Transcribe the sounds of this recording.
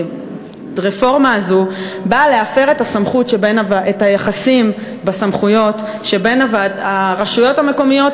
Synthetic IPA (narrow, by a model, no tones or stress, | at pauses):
ʁefo̞ʁmaːzubaleafe̞ʁe̞tasamχutʃebenavaʔetajaχasim | basamχujo̞t | ʃe̞be̞navadaʁaʃujo̞thame̞ko̞mijo̞t